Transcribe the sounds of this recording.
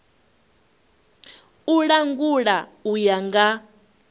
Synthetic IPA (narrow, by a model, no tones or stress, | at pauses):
uɺaŋɡuɺaujaŋɡa